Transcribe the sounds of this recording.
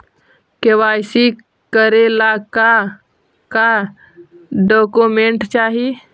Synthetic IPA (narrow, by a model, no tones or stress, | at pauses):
kewaːjsi | kəɾelaka | ka | ɖɔːkumẽɳʈt͡ʃaːɦi